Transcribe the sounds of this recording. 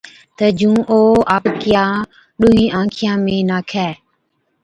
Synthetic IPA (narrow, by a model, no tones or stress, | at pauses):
t̪əd͡ʒũːʔoːaːpkɪjãː | ɗʊːɦĩːʔãːkʰɪjãːmẽːnaːkʰɛː